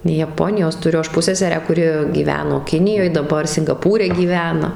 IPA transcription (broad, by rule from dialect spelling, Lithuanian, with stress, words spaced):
jɛˈpoːnʲɪjoːs tʊˈrʲʊ ˈɐʃ ˈpʊsʲsʲɛsʲɛrʲæː kʊˈrʲɪ ɡʲiːˈʋʲæːnoː ˈkʲɪnʲɪjoːj dɐˈbɐr sʲɪŋɡɐˈpuːrʲɛ ɡʲiːˈʋʲæːnɐ